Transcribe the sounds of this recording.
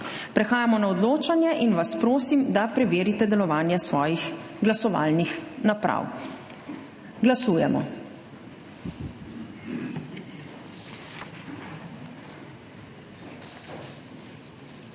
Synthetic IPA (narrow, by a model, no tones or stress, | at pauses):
pɾɛxaːjamɔnaɔd̪loːt͡ʃanjɛʔinʋaspɾoːsimd̪apɾɛʋeːɾit̪ɛd̪ɛlɔʋaːnjɛsʋɔːjix | ɡlasɔʋa̰ːlnixnapɾa̰w | ɡlasuːjɛmɔ̰